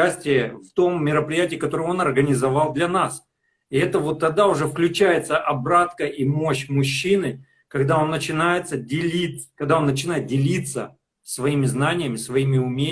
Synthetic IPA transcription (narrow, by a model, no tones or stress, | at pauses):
æsʲtʲɪjəft̪o̞mːʲɪɾəpɾʲɪjætʲɪːkɐt̪o̞ɾəjo̞nɐrɡənʲɪzɐvɑlˠd̪lʲɐnas | ɪɛt̪əvo̞t̪ːɐɡ̚d̪aʊʐɛfklʲʉt͡ɕæjɪt̪səʔɐbɾat̪kəʔimoɕmʊɕːinɨ | kɐɡd̪ao̞nːət͡ɕɪnajɪt̪sədʲɪlʲit̪kɐɡ̚d̪ao̞nːət͡ɕɪnajɪt̪̚dʲɪlʲit̪sə | svɐimʲɪznanʲɪjəmʲɪsvɐimʲɪʊmʲe